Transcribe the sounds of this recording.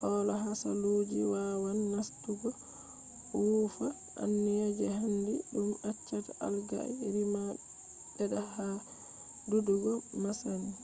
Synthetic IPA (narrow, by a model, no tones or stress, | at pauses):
hɔlaɦasa̰lod͡ʒiwawanːastuɡɔ | wufa | ʔa̰nːɛjad͡ʒɛɦandiɗumat͡ʃːataʔa̰lɡa̰ɛ̰ɾima | ɗɛɗaha | duduɡɔmasani